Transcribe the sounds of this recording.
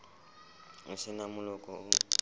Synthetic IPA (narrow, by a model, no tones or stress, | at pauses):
ʊsɪnamʊlɔkʼɔʊ